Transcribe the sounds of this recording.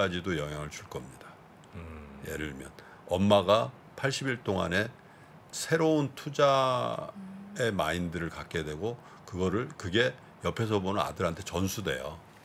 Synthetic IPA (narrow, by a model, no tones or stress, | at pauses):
ad͡ʑidojʌŋɦjaŋɯɭt͡ɕʰuɭk͈ʌmɲidḁ | jḛɾɯɭmjʌn | ʌmːaɡa | pʰaɭɕ͈ibiɭt͈oŋa̰ne̞ | sʰe̞ɾountʰud͡ʑa | e̞ma̰indɯɾɯɭkak͈̚e̞dwe̞ɡo | kɯɡʌɾɯɭkɯɡe̞ | jʌpʰe̞s̬ʰʌbonɯna̰dɯɾɦantʰe̞t͡ɕʌnsʰude̞̰jo̰